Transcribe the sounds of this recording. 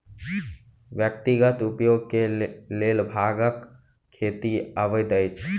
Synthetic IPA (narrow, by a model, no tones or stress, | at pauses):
ʋjək̚t̪iɡət̪ʊpjoːɡ̚keleːlbʱaːɡəkʰː | eːt̪iəʋəjd̪əjt͡ʃʰ